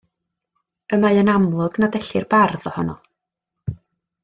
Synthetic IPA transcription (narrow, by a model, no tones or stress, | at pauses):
əmaɨənamlˠʊɡnadɛɬɪrbarðɔhɔnɔ